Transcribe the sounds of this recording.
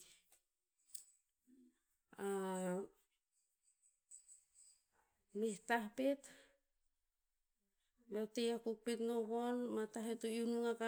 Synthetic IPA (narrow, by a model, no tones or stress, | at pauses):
a | mehtahpet | jotejakuk̚petnoβonmataɦetounuŋaka